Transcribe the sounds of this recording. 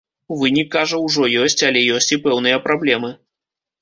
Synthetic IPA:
vɨnʲikːaʐɐwʐɔjɔsʲt͡sʲalʲɛjɔsʲt͡sʲipɛwn̪ɨjɐpɾablʲɛmɨ

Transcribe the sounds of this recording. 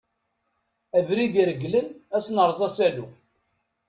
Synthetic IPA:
æðɾiðiɾəɡːlənæsnəɾˤzˤɑsælu

